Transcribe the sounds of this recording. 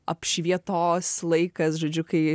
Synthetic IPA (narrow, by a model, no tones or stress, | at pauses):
ɐ̰pʃʲʋʲiɛt̪oːslˠɐɪkɐsʒoːd͡ʒʲʊkɐɪ